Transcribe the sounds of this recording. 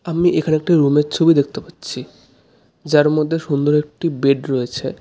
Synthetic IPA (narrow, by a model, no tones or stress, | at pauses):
amiʔekʰaneek̚ʈiɾumeɾt͡ɕʰobid̪ek̚t̪epatːɕʰi | d͡ʑaɾmɔd̪ʱːeʃund̪oɾek̚ʈibeʈɾojet͡ɕʰe